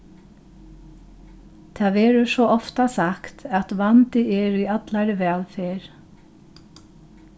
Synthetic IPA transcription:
t̪ʰaːvɛːɾʏsɔʔɔft̪asakt̪ɛt̪vant̪ɪʔɛɾʏat̪laɾvɛːlfeːɾ

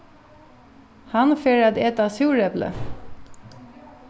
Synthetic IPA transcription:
hɑnfeːɹəd̪ɛt̪ɑːsuːɹɛblə̰

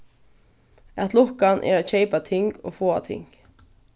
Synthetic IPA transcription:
ɛt̪lʊhkanʔɛ̰ɾaɕeɪpat̪ʰɪŋko̰ːfoːa̰t̪ʰɪ̰ŋk

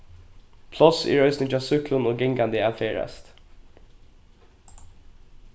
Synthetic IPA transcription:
pʰlɔsḭːɹœʏsnɪŋt̪ɑːsʉklʊnoːɡɪŋɡand̪əæːfeːɹɛ̰st̪

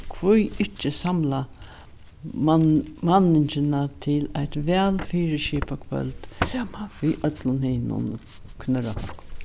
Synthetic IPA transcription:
kʰvujɪt͡ʃːəsamla | manɪɲt͡ʃɪnat̪ʰɪlajt̪ʋɛːlfiːɹəʃiːpakʰœ̰lt̪ | ʋiːʔœt̪lʊnhɪːnʊ̰n | kʰnœɾa̰kʰɔ̰k

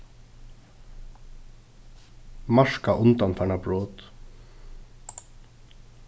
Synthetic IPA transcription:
mɑʂkaʔʊnt̪anfʰaɳabɹoːt̪

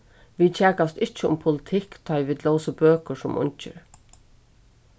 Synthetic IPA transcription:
ʋiːd̪̚t͡ʃʰɛːkast̪ɪt͡ʃɪʊ̰mpʰʊlɪt̪ʰɪkt̪ʰɔjʋid̪lowsəbøːkʊsʊmʊ̰ɲt͡ʃɪ̰ɾ

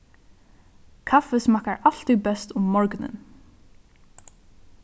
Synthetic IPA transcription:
kʰafɛsmahkaɹʔal̥t̪ʏbɛst̪ʊmːɔɹknɪ̰n

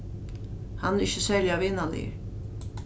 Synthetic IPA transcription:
hanɛɪçːəsɛlɪaʋɪnːanḭ

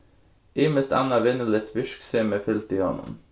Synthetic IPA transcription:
ʔiːməst̪æ̰nɑʋɪnəlɪt̪ʰʋʏʃkseːmeːfʏlt̪iːhɔ̰nʊ̰m

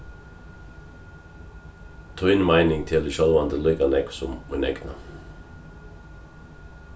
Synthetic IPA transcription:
t̪ʰɑːɪnmæɪnɪŋt̪ʰɪld̪ɪʃɑlʋɑnd̪əlʏkanɛksɔmunɛ̰ɡnɑ̰

